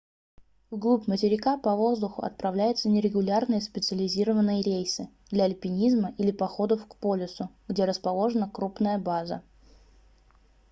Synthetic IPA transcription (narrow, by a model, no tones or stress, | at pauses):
vɡlˠupʲmətʲɪɾʲɪkapɐvo̞zd̪ʊxʊ̰ɐ̰t̪̚pɾɐvlʲæjʊt̪sənʲɪɾʲɪɡʊlʲarnɨjəspʲɪt̪sɨəlʲɪzʲiɾəvənːɨjəɾʲejsɨ | d̪lʲɐɐlʲpʲɪnʲizməʔilʲɪpɐxo̞d̪əfkpo̞lʲɪsʊɡdʲeɾəspɐlˠo̞ʐɨnəkɾupnəjəbazə̰